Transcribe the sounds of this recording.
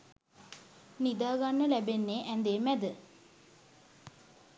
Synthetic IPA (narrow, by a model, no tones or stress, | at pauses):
nid̪aːɡanːəlæbenːeːʔænd̪eːmæd̪ə